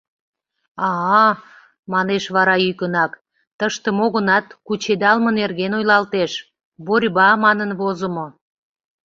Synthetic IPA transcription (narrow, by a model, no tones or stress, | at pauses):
ɑ | mɑneʃβɑɾɑykənɑk | t̪əʃt̪əmoɣənɑt̪kut͡ɕed̪ɑlmənerɣenojlɑlt̪eʃ | βorʲβɑmɑnənβozəmo